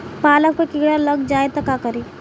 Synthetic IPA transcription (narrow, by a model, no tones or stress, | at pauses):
paːləkpekiɡɽaləɡd͡ʒaet̪əkakəɾi